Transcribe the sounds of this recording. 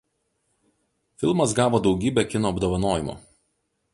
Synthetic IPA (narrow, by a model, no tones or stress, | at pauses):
fʲɪlˠmɐs̬ɡɑːʋoːd̪ɒʊɡʲiːbʲɛkʲɪnoːɐbd̪oːʋɐnoːjɪmo̰ː